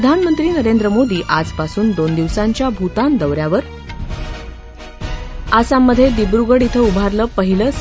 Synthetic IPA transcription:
əd̪ʱanmənt̪ɾiːnəɾend̪ɾəmod̪iːʔad͡zpasuːnd̪ond̪iʋsaɲt͡ɕjabʱut̪and̪əʋɾjaʋəɾ | asamːəd̪ʱːjed̪ibɾuɡəɽit̪ʰəubʱaɾləːpəɦiləːs

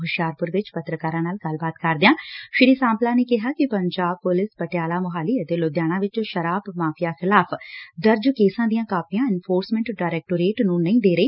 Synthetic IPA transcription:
ɦʊʃjaːɾpʊɾʋɪt͡ʃpət̪ɾəkaːɾãːnaːlɡəlbaːt̪kəɾd̪ejãːʃɪɾiːsãːmplaːneːkɪɦaːkɪpəɲd͡ʒaːb̚pʊlɪspəʈjaːlaːmʊɦaːliːət̪eːloːd̪jaːɽ̃ãːʋɪt͡ʃʃəɾaːbmaːpʰɪjaːxʰɪlaːpʰd̪əɾd͡ʒkeːsãːd̪ijãːkaːpijãːɪnfʰoːɾsmɛ̃ɳʈɖaːɾɛːk̚ʈoːɾeːʈnũːnəĩːd̪eːɾəeː

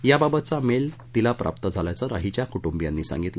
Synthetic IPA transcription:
jababət̪t͡samelt̪ilapɾa̰p̚t̪əd͡zʱalajt͡səɾa̰ɦit͡ɕjakuʈumbjanːiːsã̰ŋɡit̪lə

